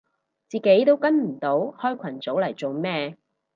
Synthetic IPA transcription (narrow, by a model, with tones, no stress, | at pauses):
t͡siː˨˩ke˨˥jt̪o˥wkɐ˥nm̩˨˩t̪o˨˥whɔː˥jkʰʷɐ˨˩nt͡so˨˥wlɐ˨˩jt͡so˨wmɛː˥